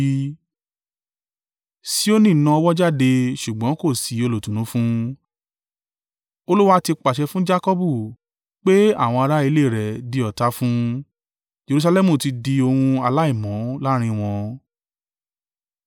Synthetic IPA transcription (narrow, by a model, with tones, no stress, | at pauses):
si˦o˦nĩ˦˨nã˧˦ɔ˧wɔ˦d͡ʒa˦˨de˧ʃu˨ɡ͡bɔ̃˨˦ko˦˨si˨˦o˧lo˨tũ˨ũ˨˦fũ˦ | o˧lu˦wa˦ti˧k͡pa˨ʃɛ˧fũ˦d͡ʒa˦kɔ˦bu˦˨ | k͡pe˦a̰˦˨w̃ɔ̃˧a˧ɾa˦i˧le˦˨ɾɛ˨di˧ɔ˨ta˧˦fũ˦ | d͡ʒe˧ɾu˧s̬a˧lɛ˦mũ˨ti˧di˧o˧hũ˧a˧la˦i˦˨mɔ̃˨˦la˦ɾ̃ĩ˧w̃ɔ̃˧